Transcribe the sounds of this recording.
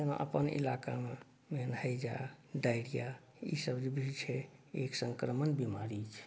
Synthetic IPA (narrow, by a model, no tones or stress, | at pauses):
ena̰ʔə̰pənḭlaka̰me | menhəjd͡ʒa̰ | ɖajɽija | ḭsəbd͡ʒebʱit͡ʃʰɛeksə̃ŋkɾəmənbimaɾit͡ʃʰɛ̥